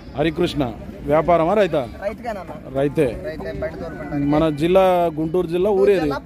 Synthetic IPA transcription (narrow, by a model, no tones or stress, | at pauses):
ɐɾik̬ɾuʂɳɐ̰ʋjaːpaːɾɐmãɾɐjt̪̬a | ɾɐjt̪e | mɐnad͡ʒilːaɡuɳʈuːɾd͡ʒilːauːɾeɾi